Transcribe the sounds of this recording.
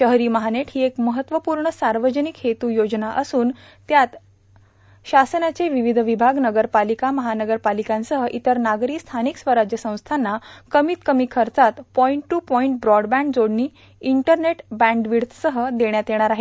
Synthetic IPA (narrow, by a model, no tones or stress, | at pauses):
ɕəɦɾiːməɦaneʈʰɦiːekməɦət̪ʋəpuːɾɳəsaɾʋəd͡ʑənikhet̪uːjod͡znaʔəsuːn | t̪jat̪ | ɕasənjat͡seʋiʋid̪ʱʋibʱaɡnəɡəɾpalikaməɦanəɡəɾpalikãnsəɦəʔit̪əɾnaɡɾiːst̪ʰaniksʋəɾad͡ʑjəsə̃w̃st̪ʰanːakəmiːt̪kəmiːkʰəɾt͡sat̪pɔiɳʈːuːpɔiɳʈ̚bɾɔɖbæ̃ɳɖd͡zoɽniː | iɳʈəɾneʈbæ̃ɳɖʋiɽt̪ʰsəɦəd̪eɽjat̪jeɽ̃aɾaɦe